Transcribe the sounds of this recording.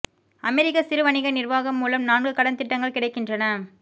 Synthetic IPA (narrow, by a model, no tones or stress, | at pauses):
ɐmɛɾɪkːɐsɪɾɯʋɐɳɪɣɐnɪrʋaːɣɐmːuːlɐmnaːɳɡɯkɐɽɐnt̪ɪʈːɐŋɡɐɭkɪɽɐɪkːɪndrɐnɐ